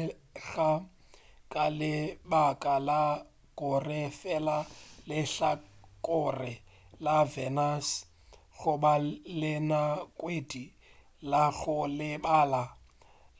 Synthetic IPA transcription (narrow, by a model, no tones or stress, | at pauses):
ɣa | kʼalɪbakʼala | kɔrɛfɛlalɪɬakʼʊrɪlavɛnas | ɣʊbalɪnakʼwedi | laɣʊlɪbaːla